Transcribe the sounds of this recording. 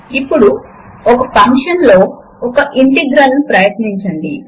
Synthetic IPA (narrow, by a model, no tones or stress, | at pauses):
ipːuɽu | ɔkɐpʰɐŋkʂɐnlo̞ː | ɔkɐʔiɳʈiɡɾɐnnupɾɐjɐt̪niɲt͡ʃɐɳɖi